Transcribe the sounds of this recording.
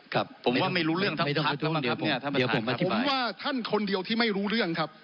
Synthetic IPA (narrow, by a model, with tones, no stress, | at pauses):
kʰa˦˧p̚ʰːo˩˦mwaː˥˩ma˥˩jɾuː˦˥ɾɯ˥˩əŋt̪ʰma˥˩t̪ɔ˥˨˧t̪ʰu˧˦˥di˨˦˧a˥˩di˩˦pʰo˩˦mʔa˧t̪ʰːwaː˥˩t̪ʰa˥˩nkʰo˧ndi˧əwt̪ʰiː˥˩ma˥˩jɾuː˦˥ɾɯ˥˩əŋkʰa˦˥p̚